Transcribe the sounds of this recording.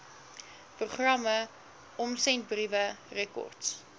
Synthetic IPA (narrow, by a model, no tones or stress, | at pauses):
pruχrɐmə | ɔmsɛnt̚brivərɛkɔ̰rts